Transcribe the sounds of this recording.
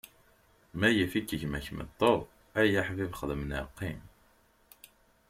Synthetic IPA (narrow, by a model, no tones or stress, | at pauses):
mæjəfikːəçmæçmə̰t̪ˤːoðˤ | æjaħvivχəðəmənə̰qːim